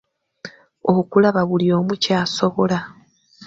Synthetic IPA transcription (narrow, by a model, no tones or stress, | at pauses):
o̞βukulaβaβulio̞ːmucaːso̞βo̞la